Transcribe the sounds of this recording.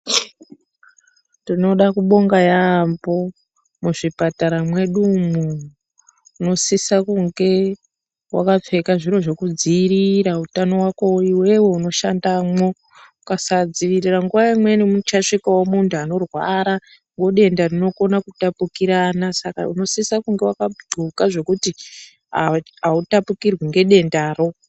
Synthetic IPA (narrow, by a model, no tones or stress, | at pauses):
tino̞ɗakuɓo̞ŋɡajambo̞ | muʐipataɾamwe̞ɗumuː | no̞sisakuŋɡe̞ | wa̰kap͡fe̞kaʐiɾo̞ʐe̞kud͡ziːɾiɾautano̞wako̞iwe̞we̞uno̞ʃandamo̞ | ukasad͡ziʋiriraŋɡuʋaimwenimut͡ʃaʂikawomuntʰuano̞rwa̰ɾa | ŋɡo̞ɗe̞ndarino̞ko̞nakutapukiɾanasaka̰ṵno̞sisakuŋɡe̞wakaɡʱukaʐe̞kuti | ɦa | autapukirwiŋɡe̞ɗe̞ndaːro̞